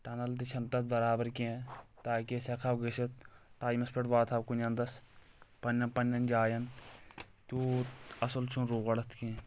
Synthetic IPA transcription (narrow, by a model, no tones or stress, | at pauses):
ʈɐnɐlt̪it͡ʃʰɐnt̪ɐt̪̚bɐɾaːbɐɾkẽt̪aːkesɐkʰɐwɡiset̪̚ʈaːjmɐspʰeʈʋaːt̪ʰawkunʲɐnd̪ɐs | pɐnːɐnpɐnʲːɐnd͡ʒaːjɐn | t̪uɐsɐlt͡ʃʰunɾuːɣɐɽɐt̪ʰkẽ